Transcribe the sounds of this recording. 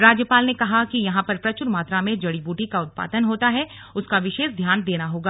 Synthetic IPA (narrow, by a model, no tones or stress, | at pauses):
ɾaːd͡ʒjəpaːlnekɐɦakijɐɦãpɐɾpɾɐt͡ʃʊɾmaːt̪ɾamẽd͡ʒɐɽibuːʈikaʊt̪̚pa̰ːd̪ənɦoːt̪aɦɛ | ʊskaʋɪʃeːʃd̪ʱjaːnd̪eːnaɦoːɡaː